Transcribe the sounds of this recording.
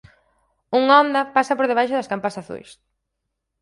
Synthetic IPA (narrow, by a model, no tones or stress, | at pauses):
uŋɔnd̪ɐpasɐpoɾðeβ̞ajʃʊðɐskampasaθṵjs